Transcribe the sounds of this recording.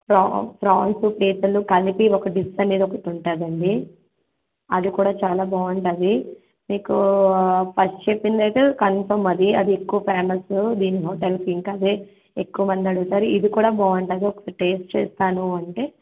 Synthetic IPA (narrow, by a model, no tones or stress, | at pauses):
pɾapʰɾaːnsupiːt̪ɐlukɐlipiɔkɐɖisɐniːd̪ɐɔkːɐʈ̪uɳʈaːd̪ɐɳɖi | ɐd̪ikuːɽaːt͡ʃaːlaːbaːɐɳʈaːd̪i | miːku | pʰɐst͡ʃepːind̪ɐjt̪eːkɐnpɐmɐd̪iɐd̪iekːuʋɐpʰaːmɐlsud̪iːniɦoːʈɐlpiŋkɐd̪eː | ekːuʋɐmɐnd̪iɐɽuɡt̪aːɾiid̪ikuːɽaːbaːʋɐɳʈaːd̪iɔkːɐʈe̞ːsʈt͡ʃḛːst̪aːnuɐɳʈe̞ː